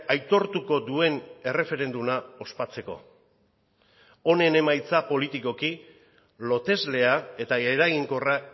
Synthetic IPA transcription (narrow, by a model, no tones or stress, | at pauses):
ajt̪o̞ɾt̪uko̞d̪ue̞ne̞re̞fe̞ɾe̞nd̪umao̞spat͡se̞ko̞̰ | o̞ne̞ne̞majt͡sapo̞lit̪iko̞ki | lo̞t̪e̞zle̞ae̞t̪aeɾaɣiŋko̞ra